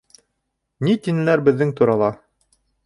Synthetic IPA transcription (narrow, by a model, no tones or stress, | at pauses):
nit̪inɘ̆læɾbɘ̆ðːɘŋt̪uɾɑlˠɑ